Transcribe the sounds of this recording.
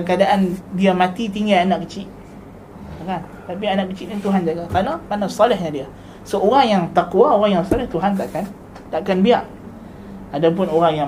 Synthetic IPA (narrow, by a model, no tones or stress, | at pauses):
kadaʔandiamãt̪it̪iŋɡaanaʔkət͡ʃiʔ | kan | t̪apianaʔkət͡ʃiʔɲat̪uɦand͡ʒaɡakanamanasɔlɛhɲadia | səʔoɾaŋjaŋt̪akuwaoɾaŋjaŋsalɛht̪uɦant̪̬aʔkan | t̪aʔkanbiaʔ | adap̬ʊnoɾaŋja